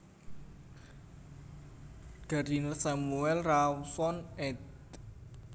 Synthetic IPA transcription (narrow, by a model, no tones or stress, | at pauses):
ɡ̥a̤ɾinsamuɛlrawsɔnɛd